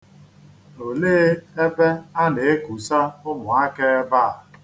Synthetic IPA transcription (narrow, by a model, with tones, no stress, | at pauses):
o˨leː˦e˦be˦a˦ne˨e˦ku˨sa˦ʊ˦mʊ˨a˦ke˦ba˦˨a˨